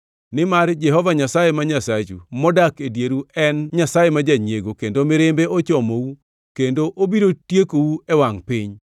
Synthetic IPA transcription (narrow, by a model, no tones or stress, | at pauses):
nɪmard͡ʒɛɦɔvaɲasajemaɲasad͡ʒṵmɔdakedjeɾuɛnɲasajemad͡ʒaɲeɡokendomɪɾɪmbeot͡ʃɔmowu | kendoʔobiɾotjekowuɛwaŋpɪɲ